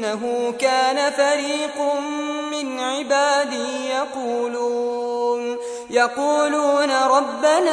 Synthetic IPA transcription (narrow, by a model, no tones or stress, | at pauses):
aɦʊːkaːnafaɾiːq | mɪnʕɪbaːd̪ɪjɑquːluːn | jɑquːluːnaɾˤɑbːana